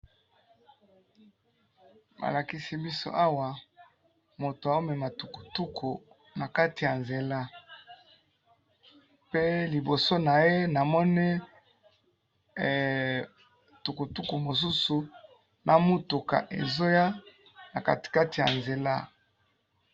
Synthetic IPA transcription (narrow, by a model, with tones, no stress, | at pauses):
ba̰˨la˨ki˦si˦bi˦so̰˦ʔa˦wa˨ | mo˨to˨a˨o˦mɛ˨ma˨tu˨ku̥˨tu˦kʰo˨ | na˨ka˦ti˨ja˨nze˨la˦ | pe˦li˨bo˨so˦na˨je˦na˨mɔ˦ni˦˨ | tu˨ku˨tu˦ku˨mo˨s̬u˦su˨ | na˨mu˦tu˨ka̰˨ʔḛ˨zo˦ja˦ | na˨ka˨ti̥˨ka˦ti˨ja̰˨nze˨la̰˦